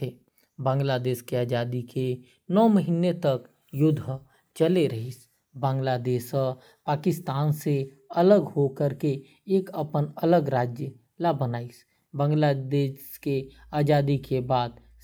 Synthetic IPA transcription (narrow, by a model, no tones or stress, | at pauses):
e | bãːŋɡlad̪eːʃkeaːd͡ʒaːd̪ikʰe | nɔːməɦiːnet̪ək | jʊd̪ʱːə | t͡ʃəleɾəɦis | bãːŋɡlad̪eːʃə | paːkɪst̪aːnse | ələɡɦokəɾke | eːkəpənələɡɾaːd͡ʒjə | labənaːis | bə̃ːŋɡlad̪eːʃke | aːd͡ʒaːd̪ikebaːd̪